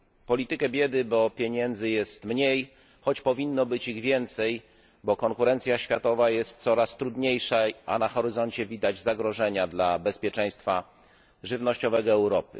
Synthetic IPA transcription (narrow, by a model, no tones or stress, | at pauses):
pɔlʲit̪ɘkɛbʲjɛd̪ɘbɔpʲjeɲɛnd̪zɘjɛst̪mɲej | xɔt͡ɕpɔvʲinːɔbɘt͡ɕiɣvʲjɛnt̪sɛj | bɔkɔŋkuɾɛnt̪sʲjaɕfʲjat̪ɔvajɛst̪̚t̪sɔɾast̪ɾud̪ɲejʂaʔa̰naxɔɾɘzɔɲt͡ɕɛvʲid̪ad͡ʑzaɡɾɔʐɛɲad̪labɛspʲjɛt͡ʂɛ̃j̃st̪fa | ʐɘvnɔɕt͡ɕɔvɛɡɔɛwɾɔpɘ̰